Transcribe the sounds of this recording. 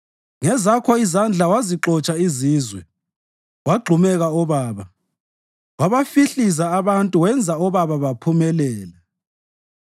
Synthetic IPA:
ŋɛzakʰɔizand͡ɮʱawaziǁɔt͡ʃʼaiziːzwɛ | waɡ͡ǃʱumɛɣaɔβaːβa | waβafiɬizaːβantʼuwɛnd͡zʱaɔβaβaβapʰumɛlɛːla

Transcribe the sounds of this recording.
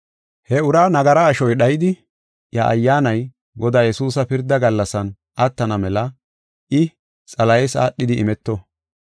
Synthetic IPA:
hɛʊɾaːnɐɡɐɾɐːʃɔjɗɐjɪd̪ɪ | jɐʔɐ̰jːaːnɐj | ɡɔd̪aːjɛsuːsɐpɪɾd̪ːɐɡɐlːɐsɐn | ɐt̪ːɐnɐmɛlɐ | ʔɪ | t͡sʼɐlɐjɛsa̰ːɗːɪd̪ɪɪmɛt̪ːɔ

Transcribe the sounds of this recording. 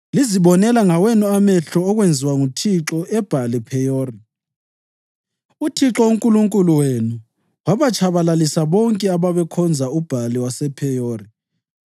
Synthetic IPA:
liziβɔnɛlaŋawɛnuamɛɬɔːɣwend͡zʱiwaŋutʰiǁɔʔɛb̥ʱalipʰɛjoːri | utʰiǁɔuŋkʼuluŋkʼuluwenu | waβat͡ʃʰaβalalisaβɔŋkʼɛaβaβɛkʰɔnd͡zʱaub̥ʱaliwasɛpʰɛjoːri

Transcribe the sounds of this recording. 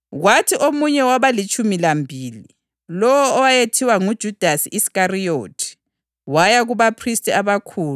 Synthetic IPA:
ɣwatʰiʔomuɲɛwaβalit͡ʃʼumilambʱiːli | lɔwɔɔwajetʰiwaŋud̥ʒ̥ʱud̥ʱasiʔiskarijoːtʰi̥ | wajaɣuβapʰristʼiaβakʰuːlu

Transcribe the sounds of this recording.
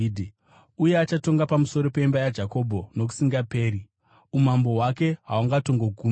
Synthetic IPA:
dʱ | uje̞at͡ʃato̞ŋɡapamuso̞ɾo̞peimbajad͡ʒako̞bʱo̞no̞k̬u̥siŋɡape̞ːɾi | umambo̞wake̞ɦauŋɡato̞ŋɡo̞ɡʱuːm

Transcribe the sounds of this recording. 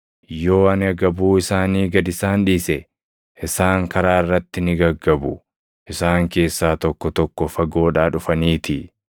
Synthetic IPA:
jo̞ːɐnɐɡɐbuːɪsaːniːɡɐd̪ɪsaːnᶑiːsɛ | ʔɪsaːŋkɐɾaːɪrːɐt̪ːɪnɪɡɐɡːɐbʊ | ʔɪsaːŋke̞ːsːaːt̪ɔkːɔt̪ɔkːɔfɐɡo̞ːᶑaːᶑʊfɐniːt̪ɪ

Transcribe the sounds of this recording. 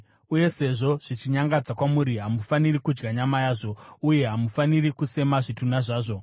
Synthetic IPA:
uje̞se̞ʐo̞ʐ̥it͡ʃiɲaŋɡad͡zakwamuɾiɦamufanirikud͡ʒɡaɲamajaːʐo̞uje̞ɦamufanirikuse̞maʐitunaʐaːʐo̞

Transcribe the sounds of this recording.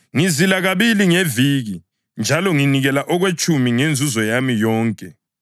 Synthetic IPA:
ŋizilaɣaβiliŋeviːɣi | nd͡ʒʱalɔŋiniɣɛlaʔɔɣwet͡ʃʼumiŋend͡zʱuzɔjamijɔːŋkʼɛ

